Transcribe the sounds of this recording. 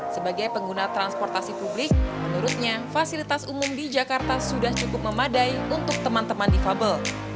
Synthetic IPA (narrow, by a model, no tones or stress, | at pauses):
səbaɡajpəŋɡunat̪ɾanspɔrt̪asipublɪk̚mənuɾʊt̪̚ɲafasilit̪asumʊmdid͡ʒakart̪asudaht͡ʃukʊp̚məmadajunt̪ʊk̚t̪əmant̪əmandifabəl